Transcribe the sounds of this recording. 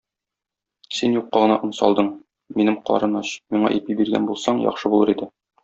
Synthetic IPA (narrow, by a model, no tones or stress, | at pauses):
sinjuqːɑʁɤ̆nɑʔɤ̆nsɒ̰lˠd̪ɤɴ | minɘmqɒ̰ɾɤnɑɕmiɴɑ̰ʔipibiɾɡæ̰nbulˠsɑɴjɒ̰χʃɤbulˠɤɾid̪ɘ